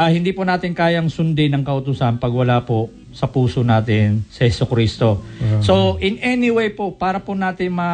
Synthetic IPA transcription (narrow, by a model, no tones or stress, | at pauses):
ahɪnd̪iːpʊnaːt̪ɪnkaːjɐŋsʊnd̪ɪnɐŋkɐʔʊt̪ʊsɐnpɐɡwɐlaːpo | sɐpuːsonaːt̪ɪnsɐhɛsʊkɾist̪o̞soʔɪnʔɛnɪwejpopaːɾɐponaːt̪ɪnmɐ